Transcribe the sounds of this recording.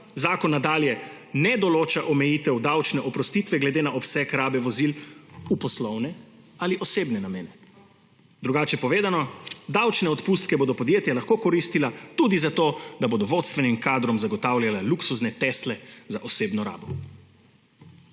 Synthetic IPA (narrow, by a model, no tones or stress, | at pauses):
zaːkɔnːad̪aːljɛ | nɛd̪ɔloːt͡ʃaʔɔmɛjiːt̪ɛwd̪awt͡ʃnɛʔɔpɾɔst̪iːt̪ʋɛɡlɛd̪eːnaʔɔpsɛkɾaːbɛʋɔzilupɔslɔwnɛ | aliʔɔseːbnɛnameːnɛ | d̪ɾuɡaːt͡ʃɛpɔʋeːd̪anɔd̪awt͡ʃnɛɔt̪pust̪kɛboːd̪ɔpɔd̪jeːt̪jalaxkoːkɔɾist̪ilat̪ud̪izat̪od̪aboːd̪ɔʋot̪st̪ʋɛnimkaːd̪ɾɔmzaɡɔt̪awljalaluksuznɛt̪ɛslɛzaʔɔseːbnɔɾa̰ːbɔ